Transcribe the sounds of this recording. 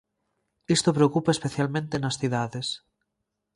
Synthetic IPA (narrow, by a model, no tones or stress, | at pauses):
ist̪opɾeokupaespeθjalmẽnt̪enasθiðaðes